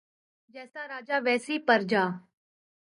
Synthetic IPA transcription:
d͡ʒɛːsaːɾaːd͡ʒaːʋɛːsiːpəɾd͡ʒaː

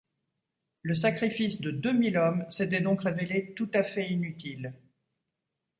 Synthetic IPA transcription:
ləs̬akχifisd̪əd̪ømilɔmset̪ɛd̪ɔ̃kʁevelet̪ut̪afɛinyt̪il

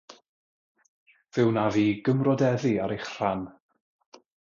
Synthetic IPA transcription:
v̥ɪwnaviːɡəmrɔdɛðiaɾejχr̥an

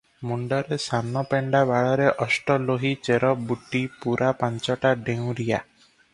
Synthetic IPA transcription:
muɳɖɔɾesanɔpeɳɖabaɭɔɾeʔɔsʈɔloɦit͡ʃeɾɔbuʈipuɾapaɲt͡ʃɔʈaɖew̃ɾija̰

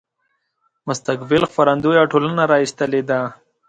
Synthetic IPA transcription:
mʊst̪akbɪlxfaɾand̪ujaʈolənaɾɑist̪əled̪a

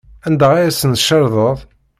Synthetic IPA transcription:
ænd̪æʁæjæsənʃɑɾðˤəðˤ

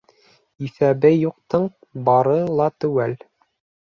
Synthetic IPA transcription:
iθæbɘjuq̚t̪ɤɴ | bɑɾɤlˠɑt̪ɵwæl

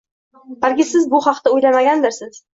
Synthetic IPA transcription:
b̥alkʲɪsɪzbʊχɑqt̪ʰaʊjlamaɡʲand̪ɪɾsɪz̥

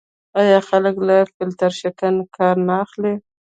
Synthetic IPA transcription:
ajɑxaləklafɪlt̪aɾʃakankɑɾnaːxle

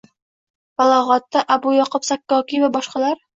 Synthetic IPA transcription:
balˠɒʁɑt̪ːaʔabʊjɒqʊpsakːɒkʲivabɒʃqɑlaɾ

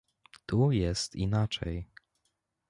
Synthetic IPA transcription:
t̪ujɛst̪inat͡ʂɛ̰j

